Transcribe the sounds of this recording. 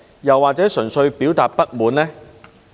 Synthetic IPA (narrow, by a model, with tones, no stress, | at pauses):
jɐ˨wːaː˨t͡sɛː˨˥sɵ˨˩nsɵ˧ɥpiː˨˥wt̪aː˨t̚pɐ˥t̚muː˨˧nlɛː˥